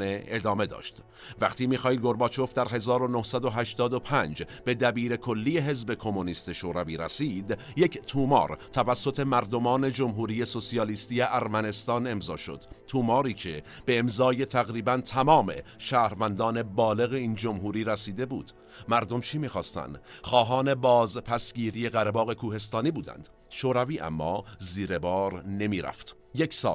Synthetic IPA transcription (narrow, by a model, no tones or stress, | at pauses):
eʔed̪ɒːme̞d̪ɒ̰ːʃt̪ | væqt̪iːmiːxɒːiːd̪̚ɡo̞ɾbɒːt͡ʃʰo̞fd̪æɾɦe̞zɒːɾonohsæd̪o̞ɦæʃt̪ɒːd̪opʰænd͡ʒ | b̥e̞d̪æbiːɾe̞kʰo̞lːiːje̞ɦe̞zbe̞kʰo̞moniːst̪e̞ʃoːɾæviːɾæsiːd̪ | je̞ct̪ʰuːmɒ̰ːɾt̪ʰævæsːo̞t̪ʰe̞mæɾd̪o̞mɒːne̞d͡ʒomɦuːɾiːje̞so̞sijɒːliːst̪iːjeʔæɾmæne̞st̪ɒːne̞mzɒːʃo̞̰d̪̥t̪ʰuːmɒːɾiːcʰe̞ | b̥e̞ːmzɒːje̞t̪ʰæɣɾiːbænt̪ʰæmɒːme̞̰ʃæːhɾvænd̪ɒːne̞bɒːle̞ɣe̞iːnd͡ʒo̞mɦuːɾiːɾæsiːd̪e̞bṵːd̪̥ | mæɾd̪o̞mt͡ʃʰimiːxɒːst̪æ̰nd̪xɒːɦɒːne̞bɒːzpʰæsɟiːɾije̞ɣæɾebɒːɣe̞kʰuːhe̞s̬t̪ɒːniːbuːd̪æ̰nd̪̥ | ʃoːɾæviːʔæ̰mːɒ̰ːziːɾe̞bɒːɾne̞miːɾæ̰ft̪ | jecʰsɒ̰ːl